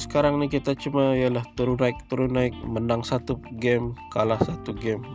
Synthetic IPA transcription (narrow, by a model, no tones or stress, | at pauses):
sə̥kaɾaŋnikit̪at͡ʃumaijalaht̪əɾunaɪk̚t̪əɾunaɪk̚mənaŋsat̪uɡɛmkalahsat̪uɡɛm